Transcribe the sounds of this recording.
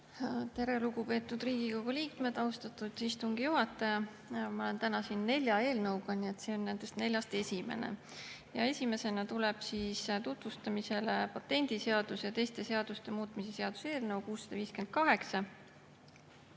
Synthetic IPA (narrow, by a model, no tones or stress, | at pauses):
t̪e̞ɾe̞luɡupe̞ːt̪ːˑud̪̥riːɡ̥iko̞ɡuliːkme̞d̪̥ɑwst̪ɑt̪ud̪̥ist̪uŋɡ̥ijuɦɑt̪ːˑɑjɑ | mɑo̞lent̪ænɑsinːe̞lʲjɑe̞ːlnɤwɡ̥ɑnie̞t̪seːo̞nːænd̪̥e̞st̪ne̞lʲjɑst̪e̞sʲime̞̰nḛ | jɑ̰e̞sʲime̞se̞nɑt̪ule̞b̥siːst̪ut̪vust̪ɑmise̞lepɑt̪ːˑe̞nʲd̪̥iseɑd̪̥usjɑt̪e̞jst̪e̞se̞ɑd̪̥ust̪e̞muːt̪mise̞se̞ɑd̪̥u̥se̞ːlnɤwkuːsːɑ̥d̪̥ɑviːske̞nd̪̥̚kɑɦe̞ksɑ